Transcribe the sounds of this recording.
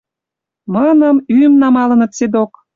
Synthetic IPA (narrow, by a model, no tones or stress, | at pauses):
mənəmymnɑmɑlə̆nə̆t̪sed̪ok